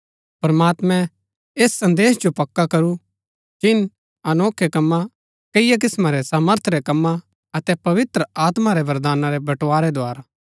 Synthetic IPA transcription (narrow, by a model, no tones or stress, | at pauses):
pɐɾmaːt̪mɛ̃ | eːsːɐ̃nd̪eːsd͡ʒopɐkːakɐɾu | d͡ʒɪn | ɐnoːkʰːekɐmːa | kɐɪjak̬ɪsmaɾɛsaːməɾt̪ʰɾɛkɐmːa | ɐt̪ɛpɐʋɪt̪ɾəaːt̪maɾɛbɐɾd̪aːnaɾɛbɐʈːaːɾɛd̪oaːɾa